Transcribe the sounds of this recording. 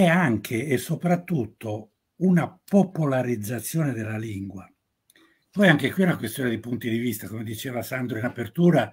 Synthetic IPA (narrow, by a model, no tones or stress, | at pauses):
ɛaŋkʰeːsːopɾat̪ːut̪ʰːo | unapopolaɾid̪zːat̪sːjoːned̪elːaliŋɡwa | pɔjaŋkekwiunakwest̪joːned̪ipunt̪id̪ivist̪akomed̪it͡ʃeːvasand̪ɾoinapert̪uːɾa